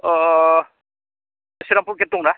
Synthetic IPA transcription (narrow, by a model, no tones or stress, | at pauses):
ɔ | siɾampuɾket̪uŋna